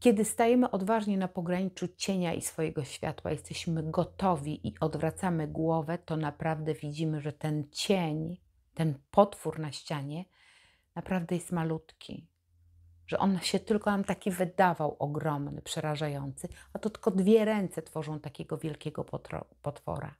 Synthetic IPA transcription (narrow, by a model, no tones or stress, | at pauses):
kʲɛd̪ɘst̪ajɛmɘʔɔd̪vaʐɲɛnapɔɡɾaɲit͡ʂut͡ɕeɲaʔḭsfɔjɛɡɔɕfʲja̰t̪wa̰jɛst̪ɛɕmɘɡɔt̪ɔvʲiʔiʔɔd̪vɾat̪samɘɡwɔvɛt̪ɔnapɾavd̪ɛvʲid͡ʑimɘʐɛt̪ɛnt͡ɕeɲ | t̪ɛnpɔt̪fuɾnaɕt͡ɕaɲɛ | napɾavd̪ɛjɛst̪malut̪kʲʰḭ | ʐ̥ɛ̰ʔɔnaɕɛt̪ɘlkɔnamt̪akʲivɘd̪avawʔɔɡɾɔmnɘ̰pʂɛɾaʐajɔnt̪sɘat̪ɔt̪ɘ̥lkɔd̪vʲjɛɾɛnt̪sɛt̪fɔʐɔ̃w̃t̪akʲɛɡɔvʲjɛlkʲɛɡɔpɔ̰pɔt̪fɔ̰ɾa̰